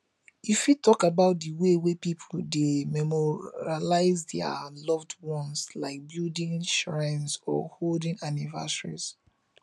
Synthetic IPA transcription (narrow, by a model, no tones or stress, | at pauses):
ifjitɔkabaʊt̚dəwewepipʰl̩demɛmɔalaɪzdɛa̰lɔvdwɔ̃nslaɪk̚bildĩnʃɹɛ̃nsɔ̰holdĩŋaniva̰səɹḭz